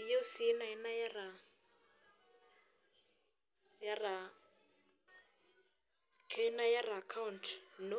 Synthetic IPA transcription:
je˦ʊ˦si˦na˨ɛ˦na˦ja˦ra˨ | ja˦ra˨ | kʰɛ˦ɛ˦na˦ja˦raː˨kʰa˦ʊntʰno˦

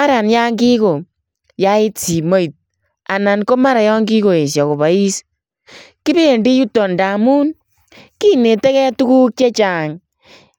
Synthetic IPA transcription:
a˦ɾa˨nja˦ŋɡi˦ko˨ | ja˦ɪ˦t͡si˨mo˦i˨t̚ | a˨na˨nko˦ma˦ɾa˨jɔ˦ŋɡi˦ko˨e˨s̬ja˨ko˨βa˨i˦s | ki˦be˦˨ndi˦ju˦tɔ˨nda˨mu˦n | ki˦ne˨te˦kɛ˦tu˦ku˦k̚t͡ʃe˦t͡ʃa˨ŋ

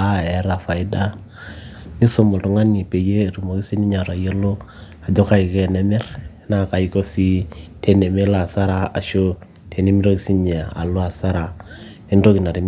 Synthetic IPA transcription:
a˦ɛ˨˦ɾa˨fa˨ɪ˦da˦ | ni˦so˦mo˨ltu˨˦ŋa˦ni˨pe˨jeː˦˨tu˨mo˨ki˦si˦ni˦ɲa˨ɾa˨je˦lo˦ | a˨d͡ʒo˦ka˦i˨ke˦nɛ˦mɛ˦ɾ | na˦ka˨i˦ko˦si˦tʰe˨ne˨me˦la˨sa˦ɾa˦a˨ʃo˦ | tʰe˨ni˦mi˦ɾo˦ki˦si˦ɲe˨a̰˨lo˦a˨sa˦ɾa˨ | e˦nto˦ki˨na˨ɾi˨m

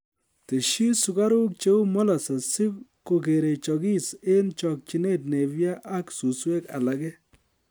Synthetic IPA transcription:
te˨ʃi˦su˨ka˦ɾu˦k̚t͡ʃe˦u˦mɔ˦la˨sa˨sɪ˦bko˨ke˨ɾe˨t͡ʃɔ˨ɡi˦se˦nt͡ʃɔ˨k̚t͡ʃi˨ne˦t̚ne˨βja˦ʔa˦ksu˨swe˦ka̰˨la˨ɡɛ˦

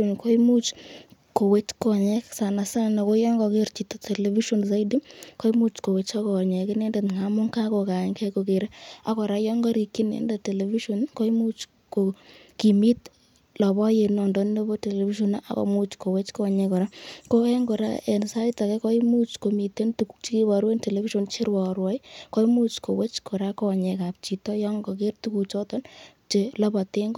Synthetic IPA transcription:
o˨nko˦i˦mu˦t͡ʃko˨we˦t͡ʃkɔ˨ɲɛ˦ksa˨na˨sa˦nɔ˨ko˦jɔ˦ŋɡɔ˨ke˦ɾt͡ʃi˨to˨tʰe˨le˨vi˦ʃɔ˨ns̬a˦idi˦ko˦i˦mu˦t͡ʃko˨we˨t͡ʃa˦kɔ˨ɲɛ˨kɪ˦nɛ˦nde˨tŋa˨mʊ˦ŋka˦ko˨ka˨ɲkʰɛ˦ko˨ke˨ɾɛ˦a˨kɔ˨ɾa˨˦jɔ˦ŋɡɔ˦ɾi˨kːi˦nḛ˨nda˨te˨le˨vi˦ʃɔ˨nko˦i˦mu˦t͡ʃ | ko˨ | ki˨mi˦t̪ | lɔ˨bɔ˦je˨nɔ˨ndɔ˦nno˦bo˦te˨le˨fi˦ʃɔ˨na˦ʔa̰˨ko̰˨mu˦t͡ʃko˨we˦t͡ʃkɔ˦˨ɲɛ˧kɔ˨ɾa˦ko˦kɛ˦ŋɡo˨ɾa̰˦e˨nsa˦ɪ˦ta˨kɛ˦kɔ˦i˦mu˦t͡ʃko˨mi˨te˦ntu˨kt͡ʃi˦ki˦wa˨ɾwe˦nte˨le˨fi˦ʃo˨nt͡ʃe˦ɾwɔ˨ɾwɔ˨˦jkɔ˦i˦mu˦t͡ʃko˨we˦t͡ʃko˨ɾa˦kɔ˦˨ɲɛ˨ka˨p̚t͡ʃi˨tɔ˦jɔ˦ŋɡɔ˨ke˦rtu˦ku˨t͡ʃɔ˦tɔ˦n | t͡ʃe˨la˦ba˨te˦ŋɡ

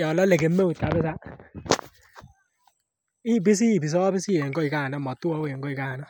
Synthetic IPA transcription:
a˨lɔ˦le˨ke˨˦mːe˦u˨tka˨bɪ˦s̬a˦ | i˦bɪ˦s̬i˦˨bi˨s̬ɔ˦bɪ˦si˦e˨ŋɡɔ˦i˨ka˦˨nɔ˦mɔ˨tu˦ɔ˦we˨ŋɡɔ˦i˨ka˦˨nɔ˦

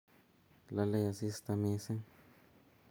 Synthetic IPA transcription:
la˧le˦˧ja˨si˦st̪a˧mĩ˧se˦

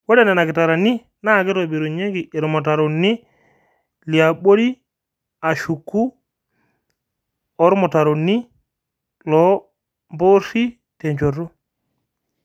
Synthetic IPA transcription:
wo˦da˦˨na˨na˨ki˨ta˨ɾa˨ni˦ | na˦˨ke˦to˨bi˨ɾo˨ɲe˦ɡi˨ʔːɾɔ˨mo˨ta˨ɾo˨ni˦ | li˨a˨ɓo˦ɾi˦ | a˨ʃu˨kːu˦ | ɾmo˨ta˨ɾo˨nːi˦ | lɔ˨˦ | mbo˦si˦ | te˨ɲt͡ʃo˨ro˦

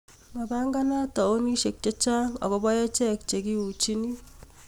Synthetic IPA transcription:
ma˨ba˦ŋɡa˦na˦tɔ˨o˦ni˦ʃe˨k̚t͡ʃe˦t͡ʃa˦ŋɔ̰˨kɔ˦bɔ˦je˦t͡ʃɛ˦kt͡ʃe˨ki˦u˨t͡ʃi˦ni˦

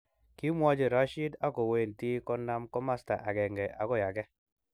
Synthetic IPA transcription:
ki˦mwɔ˦d͡ʒe˨ɾa˦ʃi˦da˦kɔ˨we˨nti˦kɔ˦nːa˦mkɔ˦ma˦sta˨ʔa˨ɡɛ˨ŋɡɛ˨ʔa˨ɡɔ˦ja˨ɡɛ˦

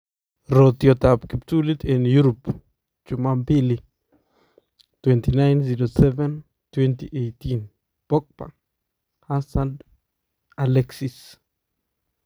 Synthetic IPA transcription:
ɾo˨t̪jo˨t̪a˨pki˨pt̪u˦li˦t̪ʰe˨nju˦ɾo˨p | t͡ʃu˨ma˦mpi˦li˨ | t̪went̪i˨na˦jnsi˧ɾose˦ve˦n | t̪we˦nt̪i˨ʔejt̪in | po˦k̚pa̰˨ | ha˦sand̪ | aleksis

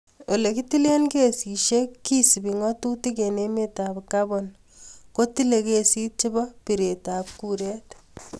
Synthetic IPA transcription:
wo˨lekiti˦le˦nke˨si˨ʃekːi˦si˨bi˨ŋɔtu˦ti˦kene˦metabkabɔn | ko˦ti˦le˨kesi˦t͡ʃɪ˦bɔ˦piɾe˨tap̚kuɾɛ˦t

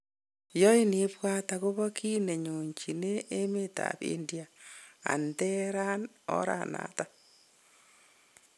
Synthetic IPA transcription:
jɔ˦i˦ni˦pwa˦tako˦βɔ˦kʰi˦ne˨ɲo˨ɲt͡ʃi˨ne˦ʔːme˦ta̰pḭ˦ndi˦a˨a̰˨ntɛ˦ɾa˦n | ɔ̰˦ɾa̰˨na̰ta

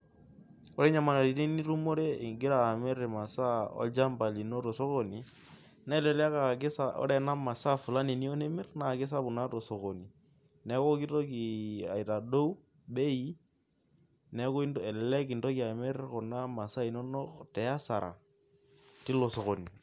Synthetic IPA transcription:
o˦ɾɛ˦ɲa˦ma˨na˨ɾi˨te˦ni˦ɾu˦mo˦ɾe˦i˨ŋɡɪ˦ɾaː˨mɛ˦ɾma˨sa˦ɔ̰˦d͡ʒa˦mba˨li˨no˦tɔ˨so˦ko˦ni˨ | nɛ˦lɛ˨la˦ka˨k̬ɪ˦sa˦ʔɔ̰˦ɾɛ˨na˦ma˨sa˦fu˨la˦ni˨ni˦o˦ne˦mɪ˦rna˨kɪ˦s̬a˦bu˨na˦tɔ˨so˨ko˨ni˨ | nɛ˦kɔ˦ki˦to˦ki˨a̰˨i˨ta˨do˦u˦ | ɓe˦i˦ | nɛ˨˦kɔ˦i˦nɛ˨llɛ˦ki˨nto˦ki˨a˨mɛ˦ɾkɔ˨na˦ma˨sa˦i˨no˦no˦tɛ˨a˦sa˨ɾʔa̰˨ | ti˦lo˨so˨ko˨ni˨

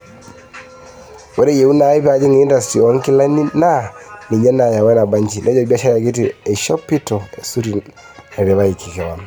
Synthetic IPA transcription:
wɛ˨˦ɾe˦je˨u˦na˨˦i˦pa˨d͡ʒi˦ŋ˨i˦nda˨sti˨ɔ˨˦ŋ˦ki˦la˦ni˦na˦˨ni˨ɲɛ˦na˨ja˨wɛ˦na˨ba˦ɲt͡ʃi˨nʔɛ˦d͡ʒɔ˨ba˦ʃa˦ja˨ɡi˦ti˨ɛ˨ʃɔ˦pi˦tɔ˨ɛ˨su˦ɾi˨ | na˨ɾi˨βa˦i˨kʰi˨kɛ˨wa˨n

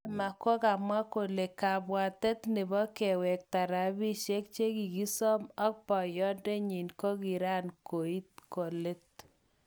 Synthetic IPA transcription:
ma˨ko˦ka˨mwa˦ko˨le˨ka˨bwa˨tɛ˦t̪ne˨bɔ˦ke˨wɛ˨k̚ta˨ɾa˨bi˦ʃe˦k̚t͡ʃe˦ki˨ɡi˦sɔ˦mɔ˦k̚pɔ˨jɔ˦nde˦ɲi˨nkɔ˦ki˨ɾa˦nko˨i˦t̚ko˨le˦t̚

